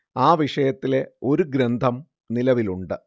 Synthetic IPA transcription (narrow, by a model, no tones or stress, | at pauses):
aːʋiʂɐjɐt̪ːile̞o̞ɾuɡɾɐnd̪ʱɐm | nilɐʋiluɳɖɨ